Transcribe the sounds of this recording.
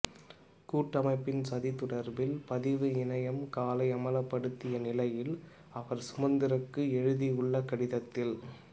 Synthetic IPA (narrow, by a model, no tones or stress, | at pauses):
kuːʈːɐmɐɪpːɪnsɐðit̪ʊɽɐɾbɪlpɐðɪʋɯɪnɐjɐmkaːlɐɪɐmɐlɐpːɐɽɯt̪ːɪjɐnɪlɐjɪl | ɐʋɐɾsʊmɐnd̪ɪɾɐkːɯɛɻɯðiɯɭːɐkɐɽɪðɐt̪ːɪl